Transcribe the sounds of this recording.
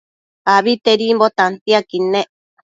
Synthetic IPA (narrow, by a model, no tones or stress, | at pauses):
aβit̪eɾimbot̪ant̪iakineʔ